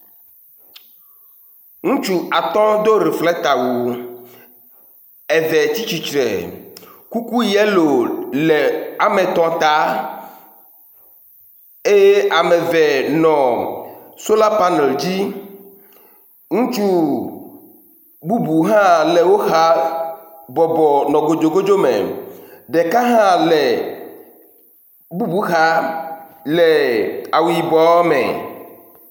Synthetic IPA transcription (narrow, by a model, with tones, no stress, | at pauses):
ŋũ˦t͡ʃu˨a˨t̪ɔ̃˦d̪o˦ɾi˨flɛ˦t̪a˨wu˨ | ɛ˨vɛ˨t͡ɕi˦t͡ɕi˨t͡ʃɾɛ̰˨ | ku˦ku˦jɛ˦lo˨le˨a˨mẽ˨t̪ɔ̃˨t̪a˨˦ | e˦je˦ʔa˨mɛ̃˨vɛ˨nɔ̃˨ | so˦la˦pa˦nɛ˨ld͡ʑi˦ | ŋũ˦t͡ʃu˦ | bu˦bu˨ɦã˦lɛ˨wo˦xa˦ | bɔ˨bɔ˨nɔ̃˨ɡo˨d͡ʒo˨ɡo˦d͡ʒo˦mḛ̃˨ɖe˨ka˦ɦã˦lɛ˨ | bu˦bu˦xa˦ | le˨a˨wi˨bɔ˨˦mɛ̰̃˨